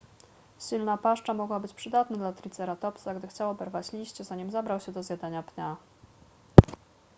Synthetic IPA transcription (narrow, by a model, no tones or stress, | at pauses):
ɕilnapaʂt͡ʂamɔɡwabɘt͡ɕpʂɘd̪at̪nad̪lat̪ɾʲit̪sɛɾat̪ɔpsaɡd̪ɘxt͡ɕawabɛɾvat͡ɕlʲiɕt͡ɕɛzaɲimzabɾawɕɛd̪ɔzʲjad̪aɲapɲa